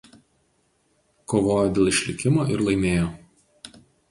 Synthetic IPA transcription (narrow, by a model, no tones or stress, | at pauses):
koːʋoːjoːd̪ʲeːlˠɪʃʲlʲɪkʲɪmoːʔɪɾlˠɐɪmʲeːjoː